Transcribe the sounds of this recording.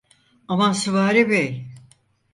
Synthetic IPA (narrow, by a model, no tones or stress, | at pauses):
amasɯvaːɾibejʲ